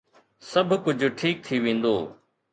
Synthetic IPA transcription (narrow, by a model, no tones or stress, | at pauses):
sɐbʱkʊd͡ʑʱʊʈʰiːk̚t̪ʰiʋẽːn̆d̪oː